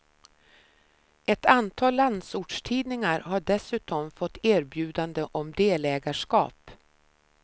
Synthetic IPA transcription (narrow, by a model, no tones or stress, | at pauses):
ɛt̪ʰant̪ʰɑːlːand̪suːʈʂʈ̪ʰiːd̪nɪŋaɾɦaɖɛsʉ̟ːt̪ɔmfɔt̪ːæːɾbjʉ̟ːd̪and̪əʔɔmd̪eːlɛːɡaʂkɑ̰ːp